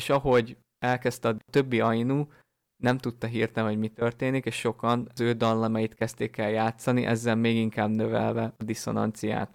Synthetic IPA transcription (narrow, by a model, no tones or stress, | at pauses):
eʃɒɦo̞ɟ | ɛlkɛst̪ɛɒt̪ø̞bːiɒjinuː | nɛmt̪ut̪ːɒɦirt̪ɛɦo̞ɟmit̪ø̞rt̪eːnikeːʃʃo̞kɒnzøːd̪ɒnːɒmɛjit̪kɛst̪eːkɛljaːt̪sɒniʔɛ̰zːɛlmeːɡiŋkaːbnøvɛ̰lvɛɒd̪iso̞̰nɒ̰nt̪sija̰ːt̪